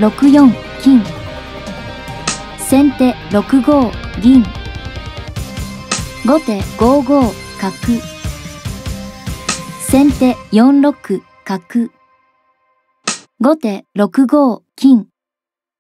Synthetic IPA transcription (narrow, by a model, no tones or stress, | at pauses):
ɾo̞kɯ̟jõŋ | kʲĩŋ | sẽ̞nt̪e̞ɾo̞kɯ̟ɡo̞ːɾʲĩŋ | ɡo̞t̪e̞ɡo̞ːɡo̞ːkakɯ̟ | sẽ̞nt̪e̞jõnɾo̞kɯ̟ | kakɯ̟ | ɡo̞t̪e̞ɾo̞kɯ̟ɡo̞ːkʲĩŋ